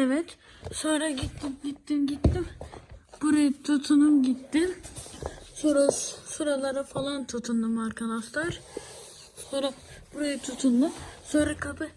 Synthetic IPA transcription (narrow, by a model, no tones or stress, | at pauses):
ɛvɛt̪ | so̞nɾaɟit̪ːimɟit̪ːimɟit̪ːimb̥uɾajɯt̪ʰut̪ʰunumɟit̪ːim | soɾasuɾalˠaɾafalˠant̪ʰut̪ʰund̪ɯmaɾkʰanaft̪aɾ | sonɾa | b̥uɾajɯt̪ʰut̪ʰund̪ɯmsonɾakʰapʰɯ